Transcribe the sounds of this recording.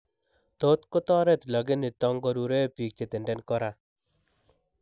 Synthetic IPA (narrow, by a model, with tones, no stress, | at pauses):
t̪o˦t̪ko˦tɔ˦ɾɛ˦t̪lɔ˨ɡɪ˦nɪ˨t̪ɔ˦ŋɡɔ˦ɾu˨ɾe˦pi˨k̚t͡ʃe˨t̪e˨ndɛ˦nkɔ˦ɾa˨